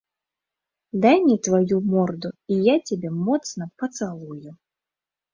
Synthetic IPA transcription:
d̪ajnʲit̪vajumɔrd̪uijat͡sʲabʲɛmɔt̪snɐpɐt̪salˠuju

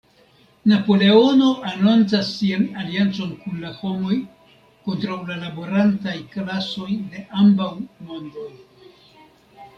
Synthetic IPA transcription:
napo̞le̞o̞no̞ʔanont͡sasːianaliant͡so̞nkunlaho̞mo̞j | ko̞ntɾawlalaboɾantajklaso̞jde̞ʔambawmo̞ndoj

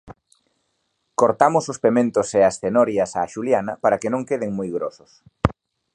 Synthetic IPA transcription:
koɾt̪amʊsospemẽnt̪oseasθenɔɾjɐsaʃuljanɐ̰paɾakenõŋkeðeŋmojɣɾosʊ̥s

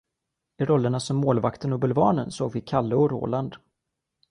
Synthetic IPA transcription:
ɪɾɔlːəɳasɔmːoːlvakt̪ənɔbɵlvɑːɳənsoːɡvɪkʰalːəɔɾo̰ːland̪

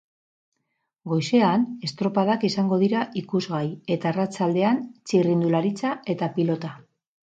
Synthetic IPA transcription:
ɡo̞jse̞ane̞st̪ɾo̞paðakisaŋɡo̞ðiɾaʔikuzɣaje̞t̪aerat͡sald̪e̞ant͡sirind̪ulaɾit͡sae̞t̪apilo̞t̪a

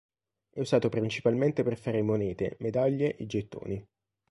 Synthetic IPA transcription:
ɛuzaːt̪opɾint͡ʃi̥palment̪eperfaːɾemonɛːt̪ḛmed̪aʎːeʔed͡ʒet̪ːo̰ːni

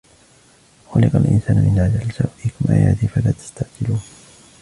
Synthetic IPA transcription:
xʊlɪqalʔɪ̰nsaːnmɪnʕad͡ʒalsawʔikmʔa̰ja̰ːt̪ɪfalaːt̪ḁst̪aʕd͡ʒɪluːn

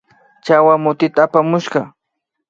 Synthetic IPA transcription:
t͡ʃawamʊt̪ɪt̪aːpamʊʃɢɑ

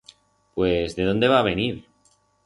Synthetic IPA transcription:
pwezðe̞ðo̞nd̪e̞βaːβ̞e̞niɾ

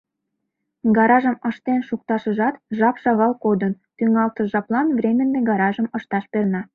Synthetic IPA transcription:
ɡɑɾɑʒəməʃt̪enʃuk̚t̪ɑʃə̆ʒɑt̪ʒɑpʃɑɣɑlkod̪ən | t̪yŋɑlt̪əʒɑplɑnvremʲənːeɡɑɾɑʒəməʃt̪ɑʃpernɑ

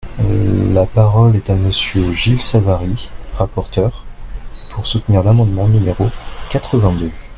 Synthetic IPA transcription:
lapaʁɔlɛt̪aməsjøʒilsavaʁiʁapɔʁt̪œʁpʰuʁsut̪niʁlamɑ̃d̪mɑ̃nymeʁokat̪χəvɛ̃d̪ø

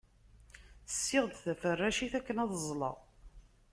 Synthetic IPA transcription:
θə̥sːɪʁd̪θæfərːæʃiθækːənæðˤəzˤlə̰ʁ

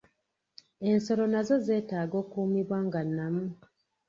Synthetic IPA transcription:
e̞nso̞ɾo̞nazo̞ze̞ːtaːɡo̞ːkuːmiβwaːŋɡanːamu

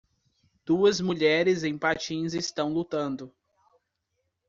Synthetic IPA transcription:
d̪̥uɐzmuʎɛɾɪzẽj̃pat͡ʃĩzɪst̪ɐ̃w̃lut̪ɐ̃nd̪ʊ

